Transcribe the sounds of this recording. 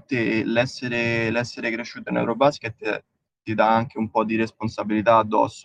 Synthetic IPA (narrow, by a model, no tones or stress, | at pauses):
t̪ːelɛsːeɾelɛsːeɾekɾeʃːuːt̪oinɛ̰wɾobasket̪ː | t̪ːid̪aaŋk̟eumpɔd̪iɾesponsabilit̪aːd̪ːɔ̰sːo